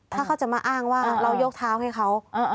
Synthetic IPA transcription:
t̪ʰaː˥˩kʰa˥˩wt͡ɕa˨˩maː˧ʔaː˥˩ŋwaː˥˩ɾa˧wjo˦˥k̚t̪ʰaː˦˥wɦa˥˩jkʰa˦˥w

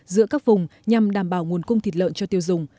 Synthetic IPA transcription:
zɨ̰˧˥əkaː˦˥k̚vʊ˨˩ŋ͡mɲa˨˩mɗaː˧˩mɓaː˧˩wŋu˨˩ənkʊ˧ŋ͡mt̪ʰi˨˦˩t̚lə̰ː˧˨nt͡ɕɔ˧t̪i˧əwzʊ˨˩ŋ͡m

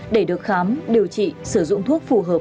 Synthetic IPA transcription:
ɗe˧˩ɗɨ˨˩ək̚xaː˨˦mɗi˨˩əwt͡ɕḭ˧˨sɨ˧˩zʊ̰˧˨ŋ͡mt̪ʰu˦˥ək̚fu˨˩ɦəː˨˩

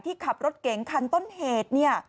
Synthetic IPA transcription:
jt̪ʰiː˥˩kʰa˨˩p̚ɾo˦˥t̪̚ke˩˦ŋkʰa˧nt̪o˥˩nheː˨˩t̪̚ni˥˩ɐ

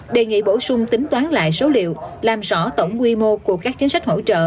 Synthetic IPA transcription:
ɗe˨˩ŋḭ˧˨ɓo˧˩sʊ˧ŋ͡mt̪ï˨˦ŋ̟t̪waː˨˦nla̰ː˧˨jsə˨˦wlḭ˧˨əwlaː˨˩mzɔ̰˧˥t̪ə˧˩wŋ͡mːwi˧mo˧ku˧˩əkaː˦˥k̚t͡ɕi˨˦nsa˦˥k̚ho̰˧˥t͡ɕə̰ː˧˨

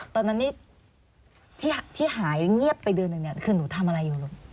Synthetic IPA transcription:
t̪ɔː˧nːa˦˥nːiː˥˩ | t̪ʰiː˥˩t̪ʰiː˥˩ɦaː˩˦jŋi˥˩əpːa˧jdɯ˧ənɯ˨˩ŋni˥˩kʰɯː˧duː˨˩˦t̪ʰa˧mʔa˧ɾa˧jːuː˨˩lu˧˩ŋ

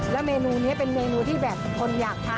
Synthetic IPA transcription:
lɛ˦˥meː˧nuː˧ni˦˥ɐpe˧nmeː˧nuː˧t̪ʰiː˥˩bɛː˨˩p̚kʰo˧njaː˨˩k̚pʰa˨˩

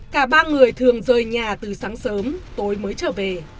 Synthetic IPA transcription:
kaː˧˩ɓaː˧ŋɨ˨˩əjt̪ʰɨ˨˩əŋzəː˨˩jɲaː˨˩t̪ɨ˨˩saː˨˦ŋsəː˨˦mt̪o˨˦jməː˨˦jt͡ɕəː˧˩ve˨˩

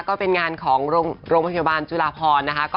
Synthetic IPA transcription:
kɔː˥˩pe˧nŋaː˧nkʰɔː˩˦ŋɾoː˧ŋɾoː˧ŋpʰa˧jaː˧baː˧nt͡ɕu˧laː˧˩pʰɔː˧nːa˦˥kʰa˦˥kɔː˥˩

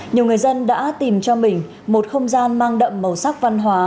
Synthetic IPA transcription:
ɲi˨˩əwŋɨ˨˩əjzə˧nɗa̰ː˧˥t̪i˨˩mt͡ɕɔ˧mï˨˩ŋ̟ | mo˨˩t̚xə˧wŋ͡mzaː˧nmaː˧ŋɗə̰˧˨mːə˨˩wsa˦˥k̚va˧nɦwaː˨˦

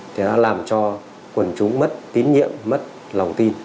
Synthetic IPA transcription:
t̪ʰi˨˩ɗa̰ː˧˥laː˨˩mt͡ɕɔ˧ | kwə˨˩nt͡ɕʊ˨˦ŋ͡mmə˦˥t̚t̪i˨˦nɲḭ˧˨əmːə˦˥t̚ | la˨˩wŋ͡mt̪i˧n

